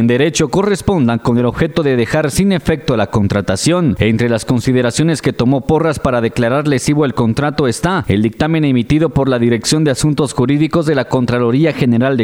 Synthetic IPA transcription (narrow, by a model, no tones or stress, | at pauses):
end̪e̞ɾe̞t͡ʃo̞ko̞re̞spo̞nd̪aŋko̞ne̞lo̞βxe̞t̪o̞ðe̞ðe̞xaɾsine̞fe̞k̚t̪olako̞nt̪ɾat̪asjo̞ne̞nt̪ɾe̞lasko̞nsiðe̞ɾasjo̞ne̞ske̞t̪o̞mo̞po̞raspaɾaðe̞klaɾaɾle̞siβo̞elko̞nt̪ɾat̪o̞e̞st̪ae̞ld̪ik̚t̪ame̞nemit̪iðo̞po̞ɾlaðiɾe̞ksjo̞nd̪e̞asunt̪o̞sxuɾiðiko̞zðe̞lako̞nt̪ɾalo̞ɾiaxe̞ne̞ɾald̪e